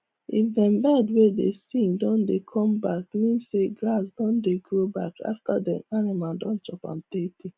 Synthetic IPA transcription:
ifdɛ̃mbɛdwedesĩŋdɔ̃ndekʰɔ̃mbakmĩnseɡɹas̬dɔ̃ndeɡɹobaka̰ftadɛ̃nanimaldɔ̃nt͡ʃɔpã̰mteti

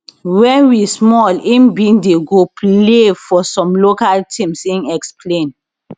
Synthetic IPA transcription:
wɛ̃nwismɔlĩnbĩndeɡopʰlefɔsɔ̃mlokaltʰĩmsĩnɛkspʰlẽn

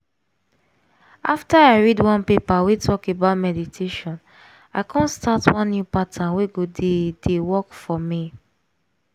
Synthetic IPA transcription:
aftaaɪɹidwãnpepawetʰɔkebaʊtmɛditʰeʃɔ̃n | aɪkʰɔ̃nstatwɔ̃nːjupatãweɡodedewɔkfɔmi

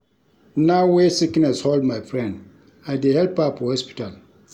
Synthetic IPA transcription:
nawesiknɛsholdmãjfɹɛ̃nd | aɪdehɛlpapʰɔhɔspi̥tal

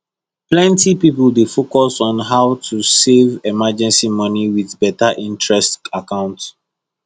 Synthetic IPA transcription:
plɛ̃ntipipldefokɔsɔ̃nɦaʊtʰusevɛmad͡ʒɛ̃nsimɔniwiðbɛtaʔĩntʰɹɛstakãʊ̃nt

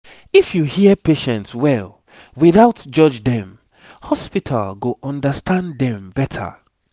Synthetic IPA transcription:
ifjuhiəpeʃɛ̃ntswɛl | wiðaʊtd͡ʒʌd͡ʒdɛ̃m | hɔspitʰa̰lɡoʔɔ̃ndəstʰãndɛ̃mbɛtʰə̰

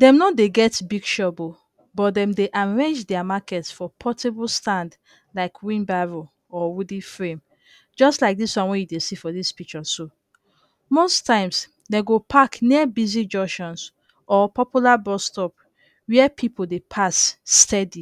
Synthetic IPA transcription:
dɛ̃mnɔdeɡɛtbiɡʃɔbo | bɔt̚dɛ̃mdeʔaɹɛ̃nd͡ʒdɛamakɛtsfɔpʰɔtibɔlstãnd | laɪkʰwĩnbaɹo | ɔwudifɹẽm | d͡ʒɔstlaɪk̚diswãnwɛ̃judesifɔdispik̚t͡ʃɔso | mostãɪ̃ms | deɡopʰakniəbizid͡ʒɔʃɔ̃ns | ɔpɔpjulabɔstɔp | wiəpʰipʰodepʰasːtʰɛdi

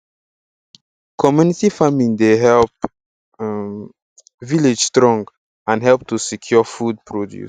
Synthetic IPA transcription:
kʰɔmjunitifamĩndeɦɛlp | viled͡ʒstɹɔ̃ŋɡ | ãnɦɛlp̚tusikʰjɔfud̚pʰɹɔdjṵs

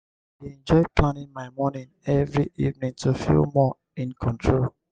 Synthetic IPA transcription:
weɛ̃nd͡ʒɔɪplãnɪ̃nmaɪmɔnĩnɛvɹiḭvnĩŋtʰofḭlmɔ | ĩnkʰɔ̃ntʰɹol

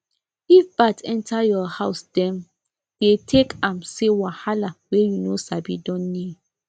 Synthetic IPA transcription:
ifbatɛ̃ntʰajɔhaʊsd̥ɛ̃m | d̥etʰekãmsewahalawejunosabḭdɔ̃nːid

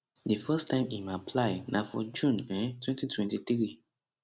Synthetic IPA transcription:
dɨfɛstʰãɪ̃mimapʰlaɪnʔafɔ̰d͡ʒũnɛ̃tʰwɛ̃ntitʰwɛ̃ntiθɹi

